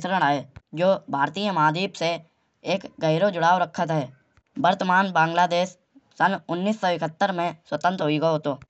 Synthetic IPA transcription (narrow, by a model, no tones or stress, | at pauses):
sɾəɽ̃aːed͡ʒoːbʱaːɾt̪iːjə̃maːd̪iːpse | eːkɡəɪɾod͡ʒʊɽaːɾəkʰːət̪ɦɛː | bəɾt̪əmaːnbãːŋɡlaːd̪eːʃ | sənʊnːiːsːɔːɪkʰət̪ːəɾmẽswət̪ə̃nt̪ɾɦoiɡoot̪oː